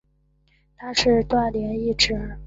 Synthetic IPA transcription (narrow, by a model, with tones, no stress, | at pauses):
t̪ʰa˥ʂɻ̩˥˧t̪wa˥˩nljɛ˧˥ni˥˩ʈ͡ʂɻ̩˥˩